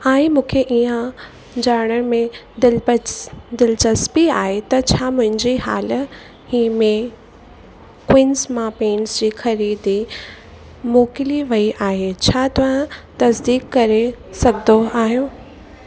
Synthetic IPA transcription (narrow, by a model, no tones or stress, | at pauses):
aːĩmũːkʰeʔiːã | d͡ʑaːɾɽ̃ən̆mẽ | ɪl | d̪ɪlt͡ɕɐspiaːɦet̪ɐt͡ɕʰaːmʊ̃ɦɪ̃ɲd͡ʑiɦaːl | hiːmẽ | kwɪnsmãːpeːnsd͡ʑiːxɐɾiːd̪i | moːkɪliʋɐiʔaːɦet͡ɕʰaːt̪ɐʋ̤ãt̪ɐsd̪iːkkɐɾesɐɡd̪oʔaːɦijoː